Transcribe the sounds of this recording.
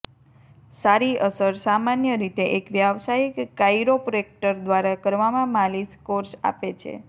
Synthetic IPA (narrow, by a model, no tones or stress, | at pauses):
saɾiʔəsəɾsamanjəɾit̪eʔekʋjaʋsaikːajɾopɾoek̚ʈəɾd̪ʋaɾakəɾʋamãmaliskoɾsa̰pet͡ʃʰḛ